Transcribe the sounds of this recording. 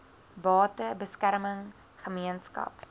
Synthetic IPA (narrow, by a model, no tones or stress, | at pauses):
bɑːtəbəskæɾməŋ | χəmiənskɐ̰p